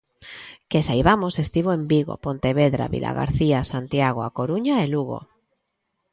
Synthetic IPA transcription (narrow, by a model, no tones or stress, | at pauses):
kesajβamosest̪iβoembiɣ̞o̰pont̪eβ̞eðɾa̰βḭlʔa̰ɣa̰ɾθiasant̪jaɣ̞oakoɾuɲaeluɣo̰